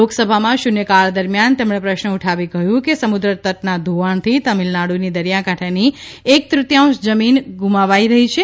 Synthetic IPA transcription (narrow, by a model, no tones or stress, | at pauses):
oksəbʱamãʃunekaɭd̪əɾmjant̪emɳ̃ẽpɾəʃnəuʈʰaʋikəjũkesəmud̪ɾət̪əʈnad̪ʱoʋaɳt̪ʰit̪əmilnaɽunid̪əɾjakaʈʰeniek̚t̪ɾʊt̪jãw̃ʃd͡ʒəminɡumaʋaiɾəɦit͡ʃʰe